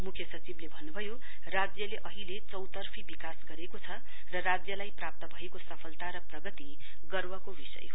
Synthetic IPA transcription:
mukʰjʌsʌt͡siblebʱʌnːubʱʌjo | rad͡zjʌleʔʌɦilet͡sʌwt̪ʌrpʰibikasɡʌɾekot͡sʰʌ | rʌrad͡zjʌlajprap̚t̪ʌbʱʌekosʌpʰʌlt̪aɾʌprʌɡʌt̪i | ɡʌrwʌkobisʌ̰jɦo

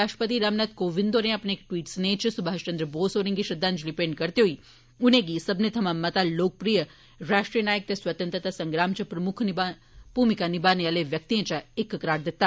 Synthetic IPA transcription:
aːʂʈə̥pət̪iɾamnat̪koːʋind̪oːnẽɐpneeːkʈʋiːʈsnet͡ʃʰsubʱaːʃt͡ʃɐ̃nd̪ɾəboːsoːɾĩŋɡiʃɐd̪ːaːnd͡ʒlipeːɳɖkɐɾt̪eɦoi | unẽɡisɐbnet̪ʰɐmaːmːɐt̪aloːk̚pɾijə | ɾaːʃʈɾijənaːjək̚t̪ɐsʋɐt̪ə̃nt̪ɾət̪asɐ̃ŋɡɾaːmt͡ʃʰɐpɾɐmʊkʰniba | puːmikanibaːnealeʋjɐk̚t̪iẽt͡ʃaekːkɐɾaːɽd̪ɪt̪ːa

